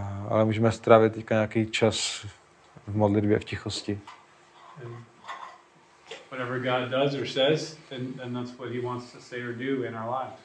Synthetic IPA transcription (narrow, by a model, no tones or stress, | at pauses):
ʔa̰lɛmuːʒɛmɛst̪ɾaːvɪt̪t̪ːɛckaɲɛakiːt͡ʃas | vmodlɪdbjɛ̰fcɪxoscɪ | ɛ̃n | wʌɾɛvə˞ɡɑdʌzə˞sɛzðɨ̃nðɛ̃nðætswʌt̚hiwɑ̃ntstʰɨseɪə˞duɪ̃naʊə˞laɪf